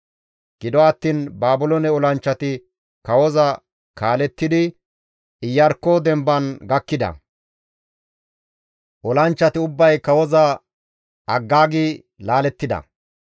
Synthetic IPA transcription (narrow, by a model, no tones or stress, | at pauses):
ɡ̥ɪd̪ɔɐt̪ːiːnbaːbʊlɔnɛɔlɐnt͡ʃːɐt̪ɪ | kɐwɔzɐ | kaːlɛt̪ːɪd̪ɪ | ɪjːɐɾkːɔd̪ɛmbɐnɡɐkːɪd̪ɐ̰ | ʔɔlɐnt͡ʃːɐt̪ɪʊbːɐjkɐwɔzɐ | ɐɡːaːɡi | laːlɛt̪ːɪd̪ɐ̰